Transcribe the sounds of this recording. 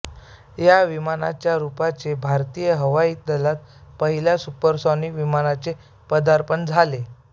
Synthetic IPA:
jaʋimana̰t͡ɕjaɾupat͡sebʱaɾt̪ijəɦəʋaiːd̪əlat̪̚pəɦiljasupəɾsɔnikʋimanat͡se | pəd̪aɾpənd͡zʱale

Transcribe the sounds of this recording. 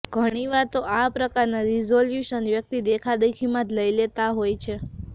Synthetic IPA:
ɡ̥ʱəɽ̃iʋat̪oʔapɾəkaɾnaɾizoljuʃənʋjək̚t̪id̪ekʰad̪ekʰimãd̪ləilet̪aɦojt͡ʃʰe

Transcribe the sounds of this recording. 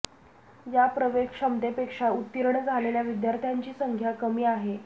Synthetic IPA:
japɾəʋekʰʂəmt̪epekʂaut̪ːiɾɳd͡zʱaleljaʋid̪jaɾt̪ʰjaɲt͡ɕiːsəŋɡʱjakəmiːaɦe

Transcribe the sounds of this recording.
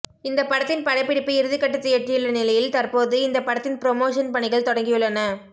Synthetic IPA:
ɪnd̪ɐpːɐɽɐt̪ːɪnpɐɽɐɪpːɪɽɪpːɯɪɾɯðɪkːɐʈːɯt̪ːɯɛʈrɪjɯɭːɐnɪlɐjɪlt̪ɐrpoːðɯɪnd̪ɐpɐɽɐt̪ːɪnpɪɾɔmoːʂɐnpɐɳɪɣɐɭt̪ɔɽɐŋɡɪjɯɭːɐnɐ

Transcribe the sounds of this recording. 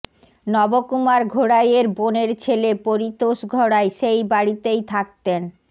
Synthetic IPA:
nɔbokumaɾɡʱoɽajeɾboneɾt͡ɕʰelepoɾit̪oʃɡʱɔɽaeʃejbaɽit̪ejt̪ʰak̚t̪en

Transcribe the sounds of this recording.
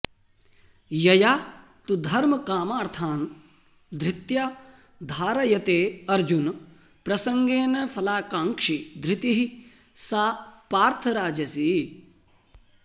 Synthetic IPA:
jɐjaː | t̪ud̪ʱɐɾmɐkaːmaːɾt̪ʰaːn | d̪ɾɪt̪jaː | d̪ʱaːɾɐjɐt̪eːɐɾd͡ʒun | pɾɐsɐŋɡeːnɐfʰɐlaːkãːŋkʂid̪ɾit̪iɦi | saːpaːɾt̪ʰɐɾaːd͡ʒɐsi

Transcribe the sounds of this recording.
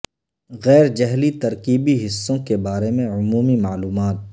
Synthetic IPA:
ɣɛːɾd͡ʒɛɦlit̪ɐɾkiːbiɦɪsːõkebaːɾemẽʊmuːmimaːluːmaːt̪̚

